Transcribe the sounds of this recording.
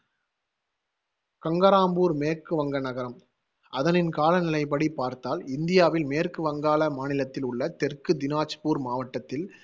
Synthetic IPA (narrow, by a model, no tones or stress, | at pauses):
kɐŋɡɐɾaːmbuːɾmeːɾkɯʋɐŋɡɐnɐɣɐɾɐm | ʔɐðɐnɪnkaːlɐnɪlɐɪpɐɽipaːɾt̪aːlɪnd̪ɪjaːʋɪlmeːrkɯʋɐŋɡaːlɐmaːnɪlɐt̪ːɪlʊɭːɐt̪ɛrkɯd̪ɪnaːt͡ʃpuːɾmaːʋɐʈːɐt̪ːɪl